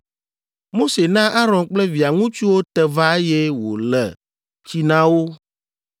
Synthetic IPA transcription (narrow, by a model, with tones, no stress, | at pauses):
mo˦se˨nã˦ʔa˦ɾɔ̃˨nk͡plɛ˦vi˨a˨ŋũ˦t͡ʃu˦wo˦t̪ɛ˨va˦e˦jɛ˦wo̰˨lɛ̰˨ | t͡ɕi˦nã˦wo˦